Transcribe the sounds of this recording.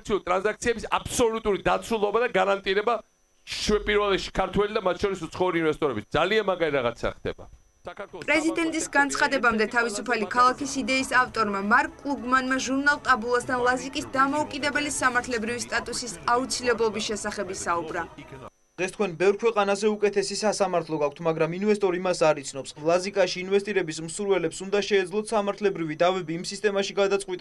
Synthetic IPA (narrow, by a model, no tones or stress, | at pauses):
t̪sʰiulit̪ʼɾanzak̚t̪sʰiɛbisa̰psɔlut̪ʼuɾid̪at̪sʰulˠɔbad̪aɡaɾant̪ʼiɾɛba | ʃʃɛpʼiɾvɛlɛt̪ʃi̥kʰaɾt̪ʰwɛlid̪amat̪ʰʃʰɔɾisut̪sʰχɛuɾiːnvɛst̪ʼɔɾɛbisd̪zalianmaɡaɾiɾaʁat̪sʰa̰χd̪ɛ̰ba | pʼɾɛzid̪ɛnt̪ʼisɡant̪sʰχad̪ɛbamd̪ɛt̪ʰavisupʰalikʰalˠakisid̪ɛisaft̪ʼɔɾmamaɾkʼːlˠuɡmanmaʒuɾnalˠt̪ʼabulˠasd̪ʰanlˠazikʼisd̪amɔukʼid̪ɛbɛlisamaɾt̪ʰlɛbɾivist̪ʼat̪ʼusisaut̪sʰilɛblˠɔbisʃɛsaχɛbisaubɾa | d̪̥ʁɛst̪̚ʰkʰwɛnbɛvɾkʰwɛqʼanasɛukʼɛt̪ʰɛsisasamaɾt̪ʰlˠɔɡak̚ʰt̪ʰmaɡɾaminvɛst̪ʼɔɾimasaɾit̪sʰnɔpslˠazikʼaʃiːnvɛst̪ʼiɾɛbismsuɾvɛlɛpsund̪aʃɛːd̪zlˠɔt̪ʰsamaɾt̪ʰlɛbɾivid̪avɛbiːmsist̪ʼɛmaʃiɡad̪at̪sqʼwit̪ʼ